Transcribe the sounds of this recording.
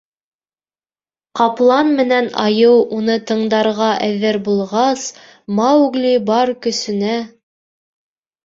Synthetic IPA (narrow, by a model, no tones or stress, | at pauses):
qɑplˠɑnmɘ̆nænɑ̰jɤwunɤt̪ɤ̆ɴd̪ɑɾʁɑʔæðːɘɾbulˠʁɑs | mɑwʉɡlʲibɑɾkɵ̆sɵ̆næ